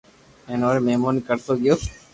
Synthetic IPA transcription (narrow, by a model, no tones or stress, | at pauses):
ẽːnoːɾeːmeɦmoːnikəɾsoːɡɪjoːs